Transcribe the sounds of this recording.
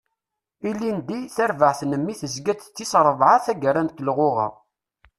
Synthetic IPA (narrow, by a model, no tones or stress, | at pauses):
ilːind̪iθæɾvəʕθnəmːiθəzɡæt͡s̪t͡sːisɾˤəðˤʕaθæɡəɾænt̪lʁoʁɑ̰ʁ